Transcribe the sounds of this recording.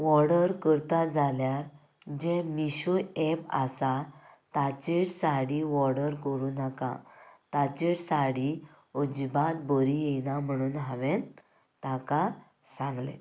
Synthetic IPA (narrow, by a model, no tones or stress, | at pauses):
ʋɔɾɽəɾkəɾt̪ad͡zaljaɾ | d͡ʑẽmiɕuɛpa̰sat̪at͡ɕiɽsaɽiʋɔɽəɾkəɾuːnaka̰t̪at͡ɕiɽsaɽi | ud͡ʑbat̪̚bəɾijenam̤əɽ̃uːnɦaʋẽn | t̪aka | sãŋɡlḛ